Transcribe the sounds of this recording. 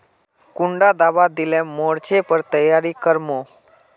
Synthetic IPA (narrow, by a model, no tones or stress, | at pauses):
kʊɳɖad̪aʋad̪ilemoɽt͡ʃepəɾt̪əjaɾikəɾmo